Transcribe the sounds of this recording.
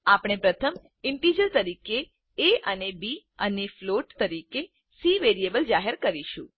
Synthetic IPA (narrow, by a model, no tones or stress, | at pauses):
apɳ̃epɾət̪ʰəm | ɪɳʈid͡ʒəɾt̪əɾikeː | ənebi | ənefloʈt̪əɾike | siʋeɾiebəld͡ʒaɦəɾkəɾiʃṵ̃